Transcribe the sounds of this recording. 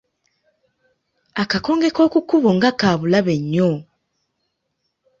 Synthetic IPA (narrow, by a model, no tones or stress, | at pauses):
akako̞ːŋɡeko̞ːkukuβoŋɡakaːβulaβeɲːo